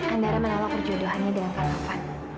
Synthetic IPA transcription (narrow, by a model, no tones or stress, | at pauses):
ʔandaɾamənawak̚pərd͡ʒodoɦanɲadalankaɾafan